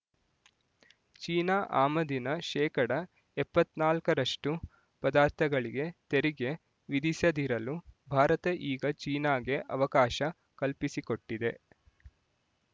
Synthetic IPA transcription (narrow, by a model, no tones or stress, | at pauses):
t͡ʃiːnaːʔaːmɐd̪inɐʃɛːkɐɽɐ | ɛpːɐt̪naːlkɐɾɐʂʈu | pɐd̪aːɾt̪ʰɐɡɐɭiɡe̞t̪eɾiɡe̞ | ʋid̪isjɐd̪iɾɐlubʱaːɾɐt̪ɐʔiːɡɐt͡ʃiːnaːɡe̞ʔɐ̰ʋɐkaːʃɐ | kɐlpisiko̞ʈːid̪e̞